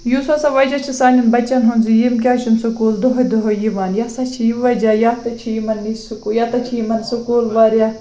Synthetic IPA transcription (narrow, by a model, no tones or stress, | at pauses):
jusasaʋɐd͡ʒat͡ʃʰisaːnʲinbɐt͡ʃːɐnɦunzijimk̬ʲaːt͡ʃʰunsukuːld̪oɦojd̪oɦojiʋaːnjaːsat͡ʃʰijiʋɐd͡ʒaːjaːt̪ɐt͡ʃʰijmɐnːisukujaːt̪ɐt͡ʃʰiimɐnsukuːlʋaːɾjaː